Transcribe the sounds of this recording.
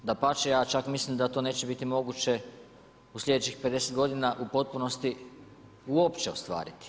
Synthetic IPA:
d̪apat͡ʃejaːt͡ʃakmislimd̪at̪o̞ːne̞ːt͡ɕe̞bit̪imo̞ɡut͡ɕe̞ | uslʲʎʲje̞d̪et͡ɕixpe̞d̪e̞set̪ɡo̞d̪inaʔupo̞t̪̚puno̞st̪i | uo̞pt͡ɕe̞ost̪ʋa̰ːɾit̪i̥

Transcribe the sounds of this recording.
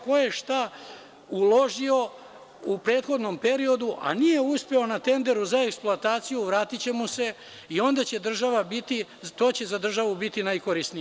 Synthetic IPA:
ko̞je̞ʃt̪a | ulo̞ʒio̞ | upɾe̞ːt̪xo̞d̪no̞mpe̞ɾio̞d̪uʔa̰nijeuspe̞o̞nat̪e̞nd̪e̞ɾuzae̞ksploat̪aːt̪sijuʋɾaːt̪it͡ɕe̞muse̞ | io̞nd̪at͡ɕe̞d̪r̩ʒaʋabit̪it̪o̞ːt͡ɕe̞zad̪r̩ʒaʋubit̪inajkoɾisnije

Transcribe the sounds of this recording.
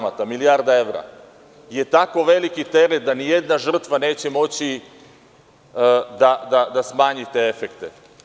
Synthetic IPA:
mat̪amilijaːɾd̪ae̞ʋɾa̰ | je̞t̪ako̞ʋe̞likit̪e̞ɾet̪̚d̪anije̞d̪naʒr̩t̪ʋane̞ːt͡ɕe̞mo̞t͡ɕi | d̪ad̪ad̪asmaːɲit̪e̞efekt̪ḛ

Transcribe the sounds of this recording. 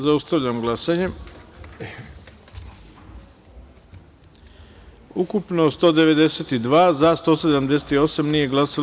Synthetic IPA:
zaust̪aʋʎamɡlˠasaɲe | ukupno̞st̪o̞ːd̪e̞ʋe̞d̪eset̪id̪ʋaːzast̪o̞se̞d̪amd̪e̞s̬et̪io̞samnije̞ɡlˠasal

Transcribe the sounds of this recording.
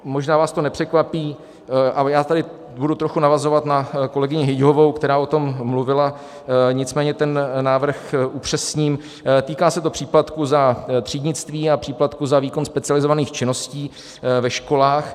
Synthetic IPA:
mo̞ʒnaːvaːst̪o̞nɛpr̝̥ɛkvapiː | ʔajaːt̪adɪ | budut̪ɾoxunavazo̞vat̪nako̞lɛɡɪɲɪɦɪɟɦovo̞wkt̪ɛɾaːo̞t̪o̞mːluvɪla | ɲɪt͡smɛːɲɛt̪ɛnːaːvr̩xʔupr̝̥ɛsɲiːm | t̪iːkaːsɛt̪o̞pr̝̥iːplat̪kuzat̪r̥iːdɲɪt͡st̪viːapr̥iːplat̪kuzaviːko̞nspɛt͡sɪalɪzovaniːxt͡ʃɪno̞sciː | vɛʃko̞laːx

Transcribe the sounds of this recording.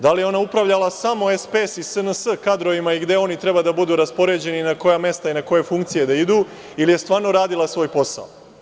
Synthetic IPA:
d̪alijeo̞naupɾaʋʎalˠasamo̞espesisənəsəkad̪ɾo̞ʋimaiɡd̪e̞o̞nit̪ɾe̞bad̪abud̪uːɾaspo̞ɾe̞d͡ʑe̞ninako̞jame̞st̪ainako̞je̞fuŋkt̪sije̞d̪aid̪uː | ilije̞st̪ʋaːɾno̞ɾaːd̪ilasʋo̞ːjpo̞sa̰o

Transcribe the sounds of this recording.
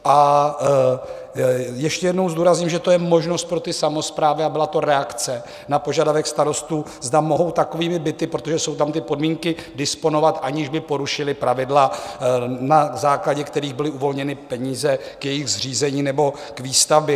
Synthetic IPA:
ʔa | jɛʃcɛjɛdno̞wzduːɾazɲimʒɛt̪o̞jɛmo̞ʒnost̪̚pɾot̪ɪsamo̞spɾaːvɪabɪlat̪o̞ɾɛakt͡sɛ | napo̞ʒadavɛkst̪aɾo̞st̪uː | zdamo̞ɦo̞wt̪akoviːmɪbɪt̪ɪpɾot̪o̞ʒɛso̞wt̪amt̪ɪpo̞dmiːŋkɪdɪspo̞no̞vat̪ʔaɲɪʒbɪpo̞ɾuʃɪlɪpɾavɪdla | nazaːklaɟɛkt̪ɛɾiːɣbɪlɪʔuvo̞lɲɛnɪpɛɲiːzɛ | kjɛjɪɣzriːzɛɲiːnɛbo̞ | kviːst̪avbɛ

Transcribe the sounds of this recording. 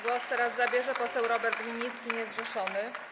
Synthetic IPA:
ɡwɔst̪ɛɾazːabʲjɛʐɛpɔsɛwɾɔbɛɾt̪lʲiɲit̪skʲiɲɛzɡʐɛʂɔnɘ

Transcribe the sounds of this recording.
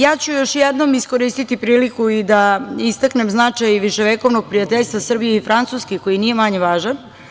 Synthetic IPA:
jaːt͡ɕujo̞ʃjed̪no̞misko̞ɾiːst̪it̪ipɾiːlikuid̪aist̪akne̞mznat͡ʂajʋiʃeʋeko̞ʋnoɡ̚pɾijat̪eʎʲst̪ʋasr̩bijeifɾant̪suːskeko̞jinije̞maɲeʋaːʒan

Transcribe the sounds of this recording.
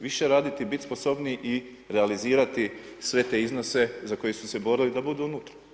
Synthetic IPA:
ʋiʃe̞ɾaːd̪it̪ibit̪ʲspo̞so̞bniʔi | ɾealiziːɾat̪isʋe̞t̪e̞ːizno̞se̞zako̞jesuse̞bo̞ɾilid̪abud̪uunuːt̪ɾa

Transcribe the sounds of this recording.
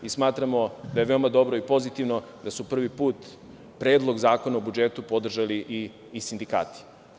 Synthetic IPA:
ismaːt̪ɾamo̞d̪ajeʋe̞o̞mad̪o̞bɾo̞ipo̞zit̪iʋnod̪asupr̩ʋipuːt̪ | pɾeːd̪lˠoɡzaːko̞naobud͡ʒet̪upo̞d̪r̩ʒaliʔiː | sind̪ika̰ːt̪i̥

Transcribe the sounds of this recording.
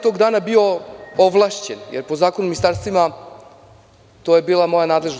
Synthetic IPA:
t̪o̞ɡd̪aːnabio̞oʋlˠaʃt͡ɕenjeɾpozaːkonuminist̪aːɾst̪ʋima | t̪o̞je̞biːlˠamo̞janaːd̪leʒn

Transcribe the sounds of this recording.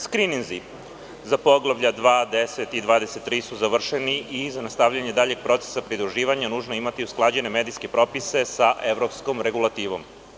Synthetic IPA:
skɾininzi | zapo̞ɡlˠaʋʎad̪ʋaːd̪eset̪id̪ʋaːd̪e̞se̞t̪ːɾiːsuzaʋr̩ʃeniʔizanast̪aʋʎaɲe̞d̪aːʎe̞ɡ̥̚pɾo̞t̪se̥sapɾid̪ɾuʒiːʋaɲanuːʒnoimat̪iusklˠad͡ʑe̞ne̞med̪iske̞pɾo̞pise̞saʔe̞ʋɾo̞pskomɾe̞ɡulˠat̪iːʋo̞m

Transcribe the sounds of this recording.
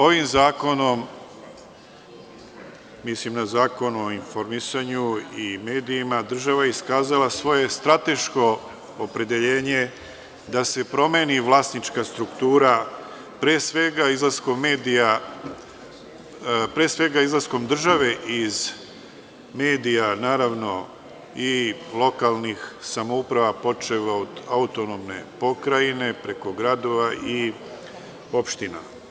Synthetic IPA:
o̞ʋimzaːko̞no̞m | islimnazaːko̞no̞infoɾmisaɲuime̞ːd̪iimad̪r̩ʒaʋaeiskaːzalasʋo̞je̞st̪ɾat̪e̞ʃko̞ː | pɾe̞d̪e̞ʎe̞ːɲe̞ | d̪ase̞pɾo̞meːniʋlˠasnit͡ʃkast̪ɾukt̪uːɾa | pɾeːsʋeɡaizlˠaskommeːd̪ija | pɾeːsʋe̞ɡaizlˠasko̞md̪r̩ʒaʋe̞ʔiz | me̞ːd̪ijanaːɾaʋno̞ | ilˠo̞kalˠnixsamoupɾaʋapo̞t͡ʃeʋaod̪aut̪onomne̞̰po̞kɾaine̞pɾe̞ko̞ɡɾad̪o̞ʋaʔi | o̞pʃt̪ina̰

